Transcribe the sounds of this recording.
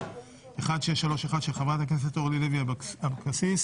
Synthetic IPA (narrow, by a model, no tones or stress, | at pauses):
eχad̪ʃeeʃalo̞ʃeχad̪ʃeχavʁat̪aknes̬et̪oʁlileviabkasis